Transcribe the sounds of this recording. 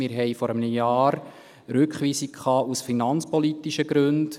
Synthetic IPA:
mɪɾɦɛjfɔɾəmnəjɑːɾ | ɾʏkχʋiːsikkʰɑːʔusfinɑnt͡spɔlitːiʃəɡɾʉnd

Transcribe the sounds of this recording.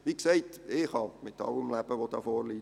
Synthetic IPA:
ʋikseɪtɪχhɑmɪt̪ɑ̰ləmlæb̥əʋod̥̪ɑːfɔːɾliː

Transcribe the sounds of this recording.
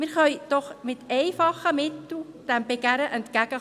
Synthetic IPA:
mɪɾχœʏd̥ɔχmɪtɛɪfɑχəmɪtl̩ | d̥ɛmbeɡæɾəʔɛntkæɡ̥ə

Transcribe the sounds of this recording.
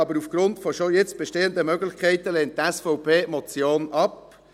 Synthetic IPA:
ɑbəɾufɡ̥ɾʊntfɔʃojet͡stb̥ɛʃteːənd̪əmœɡlɪχkʰɛɪtəleːnttːɛsfɔwpʰeːmɔt͡sjoːnʔɑp̚

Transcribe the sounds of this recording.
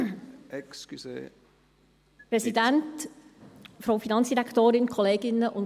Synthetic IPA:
ɛkskysḛː | pɾɛsidænt | fɾoʊfinɑnsd̥iɾɛkʰtoːɾɪnkʰɔleːɡɪnːəʔʊn

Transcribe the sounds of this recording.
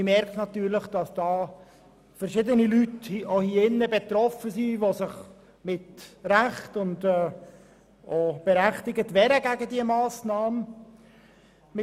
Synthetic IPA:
ɪmɛɾknɑt̪ːyːɾləχd̥ɑsd̥ɑː | fəɾʃɪdənilythiohiɪnːəbɛt̪ɾɔfəsiʋosɪχ | mɪtɾæχtʊndɛː | ob̥ɛɾæχtɪɡətʋɛɾəɡæɡədiəmɑːsnɑːmə | mɪ

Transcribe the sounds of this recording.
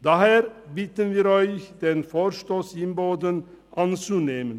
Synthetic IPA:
d̪̥ɑːheːɾbɪt̪ənviːɾɔʏçd̪̥eːnfoːɾʃtoːsɪmboːd̪ən | ʔɑnt͡suneːmən

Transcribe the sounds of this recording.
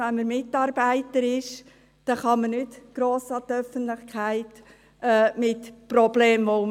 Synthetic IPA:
ɛnməɾmɪtɑɾbæɪtəɾɪʃ | d̥ɑχɑmənʏtɡ̥ɾoːsɑt̪œfənt̪lɪχkʰæɪt | ɛmɪtprɔbleːmʋoʊ

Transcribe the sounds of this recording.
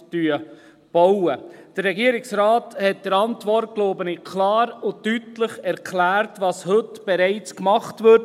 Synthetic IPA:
d̥yə | b̥ɔwəd̥əɾːɛɡiəɾɪksɾaːthɛt̚d̥əɾɑntʋɔɾtkloːbənikʰlɑːɾʊtytləχɛɾkʰlæːɾtʋɑshɵtb̥ɛɾɛɪt͡skmɑχtʋʏɾt

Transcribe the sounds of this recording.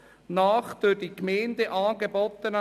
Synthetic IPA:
naːχd̥øɾdikmɛɪndeʔɑːɡebɔt̪ːənə

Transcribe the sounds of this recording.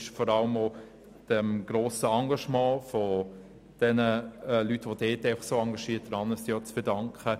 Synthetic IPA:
ʃfɔɾɑləmo | d̥ɛmɡ̥ɾoːsəɑŋɡɑʃmɑ̃ːfɔ | d̥ɛnəlytːʋod̥eːtɛɪfɑχsoːɑŋɡɑʃiːət̚d̥ɾɑnəsɔt͡sfɛdɑŋkχə

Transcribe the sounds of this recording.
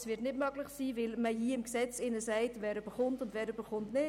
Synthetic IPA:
sv̥ɪtnɪtmœɡlɪχsiːvɪlməjiːɪmksɛt͡sɪnəsæɪtvɛːɾybəχʊntʊndvɛːɾybəχʊntnɪ

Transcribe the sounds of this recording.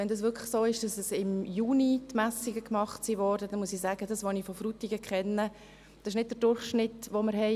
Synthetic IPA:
ɛndɑs̬ʋʏɾkʰlə̥χsoːɪʃd̥ɑsəsɪmjuːnitmæsiɡəkmɑχtsiʋɔːɾdədɛnmuəsisæːɡ̥ədɑsʋonifɔfrutiɡəkχɛnːə | d̥ɑsɪʃnɪtd̚d̥əɾd̥ʊɾχʃnɪtʋoməɾɦɛɪ

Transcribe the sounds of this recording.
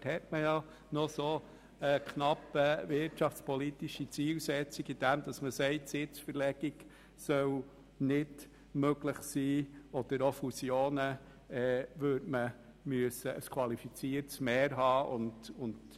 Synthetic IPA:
hɛtməjɑ | nɔso | əkχnɑpːəvɪrtʃɑft͡spɔlit̪iʃit͡siːlsɛt͡siɡid̥æmd̥̪ɑsməsɛɪtsɪt͡sfəɾlɛɡ̥iɡ | sœw | nɪd | møɡlɪχsiːɔd̥̪əɾofusjoːnə | ɛːvøːtmə | myəsəʔəskʰwɑlifit͡siːəɾtsmɛːɾɦɑːʊndʊnd

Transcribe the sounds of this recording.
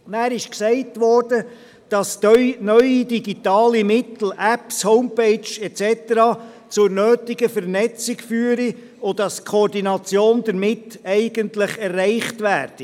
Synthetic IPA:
næːɾɪʃksɛɪtʋɔːɾd̥ə | d̥ɑsnœjidiɡit̪ɑːlimɪt̪l̩ʔæpshoʊmpeɪt͡ʃɛt͡sɛt̪əɾɑː | t͡sʊɾnøːtiɡəfəɾnɛt͡sɪɡfyːəɾi | ʊdɑskʰoɾdinɑt͡sjoːnd̪əɾmɪtɛɪɡəntləχɛrːɛɪχtʋæːrd̥i

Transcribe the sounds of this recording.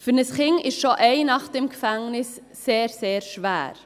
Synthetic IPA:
fʏnəsχɪŋɪʃʃoʔeɪnɑχd̥ɛmkfæŋnɪsː | eːɾseːɾʃvæ̰ːɾ

